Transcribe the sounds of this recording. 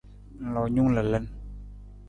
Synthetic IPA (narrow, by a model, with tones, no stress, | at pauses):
lɔ˨ɲu˥ŋla˨lə˥˨n